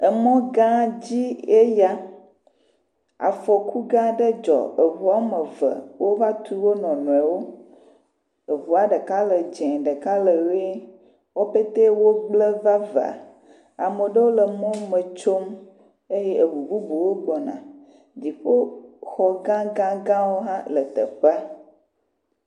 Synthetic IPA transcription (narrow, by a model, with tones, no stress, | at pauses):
ə˨mɔ̃˦ɡã˦d͡ʑi˦e˦ja˦ | a̰˨fɔ˨ku˦ɡã˦ɖə˦d͡ʒɔ̰˨e˨vu˨˦a˦mə˨və̰˨wʔo˦va˦t̪u˦wo˦nɔ̃˨nɔ̃˨ɛ˨wo˦ | e˨vu˨a˨ɖə˨ka˦lə˨d͡ʒɛ̃˨ɖə˨ka˦lə˨we˦ | wo˦pe˦t̪e˦wo˦ɡ͡blə˦va˦va̰˨ | a̰˨mə˨ɖə˦wo˦lə˨mɔ̃˦mə˨t͡ʃo˦m | e˦je˦ʔə˨bu˨bu˦bu˨wo˦ɡ͡bɔ˨nã̰˨ | di˨ɸə˦xɔ˨ɡã˦ɡã˦ɡã˦wo˦ɦã˦lə˨t̪ə̰˨ɸɛ˦